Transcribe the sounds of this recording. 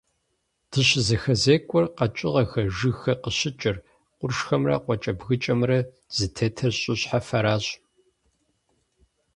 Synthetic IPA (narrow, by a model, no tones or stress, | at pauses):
d̥ʰɨɕzɐxɐzeːkʷʼʊrqɐt͡ʃʼɪʁɐxɐʒɨxɐqəɕɪt͡ʃʼɪr | qʷʊrʂxɐmrɐ̰qʷɔt͡ʃʼɐbɣɨt͡ʃʼɐmrɐ | z̥ɨtʰetʰɐɕʼɪɕħafɐɾaːɕʼ